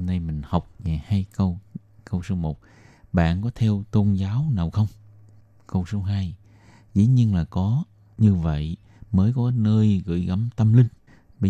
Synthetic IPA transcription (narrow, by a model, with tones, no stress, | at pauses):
na˧jmï˨˩ŋ̟ha˨˩wk͡p̚ɲaː˨˩jhaː˧jkə˧w | kə˧wso˨˦mo˨˩t̚ | ɓa̰ː˧˨nkɔ˨˦t̪ʰɛ˧wt̪o˧nzaː˨˦wnaː˨˩wxə˧wŋ͡m | kə˧wso˨˦ɦaː˧j | zḭ˧˥ɲi˧ənlaː˨˩kɔ˨˦ | ɲɨ˧və̰˧˨j | məː˨˦jkɔ˨˦nəː˧jɣɨ̰˧˨jɣa˨˦mt̪ə˧mlï˧ŋ̟ | ɓə˧